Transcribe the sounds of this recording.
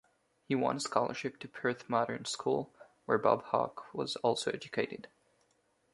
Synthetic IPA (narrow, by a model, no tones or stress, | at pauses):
hiwɑ̰̃nskɑlˠə˞ʃɨp̚tʰɨpʰɜ˞θmɑɾə̰̃˞nskʰulˠwə˞bɑ̰b̥hɑ̰kwʌzɔlˠsoʊɛd͡ʒɨkʰeɪɾɨd̥